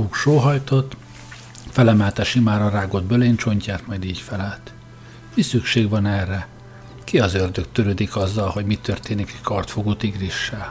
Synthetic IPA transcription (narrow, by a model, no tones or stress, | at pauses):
ukʃoːɦɒjt̪o̞t̪ː | fɛlɛmɛːt̪ɛʃimaːɾɒraːɡo̞d̪bøleːnt͡ʃo̞ɲcaːt̪mɒjd̪iːcfɛlɛt̪ | misykʃeːɡʋɒnɛrːɛ | kiɒzørd̪økt̪ːøɾød̪ikɒzːɒlho̞ɟmit̪ø̞rt̪eːnikɛckɒrt̪foɡuːt̪iɡriʃːaː